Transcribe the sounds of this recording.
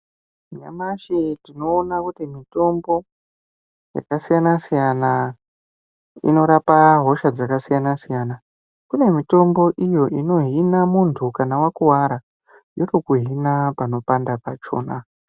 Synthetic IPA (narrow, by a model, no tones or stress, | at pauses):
ɲa̰maʃitino̞ːnakutimito̞mbo̞ | ja̰kasijanasijana | ḭno̞ɾapaɦo̞ʃad͡zakasijanasijana | kune̞mito̞mbo̞ʔijo̞ʔino̞ɦinamuntʰukanawakuwaɾa | jotokuɦinapano̞pandapat͡ʃo̞ːna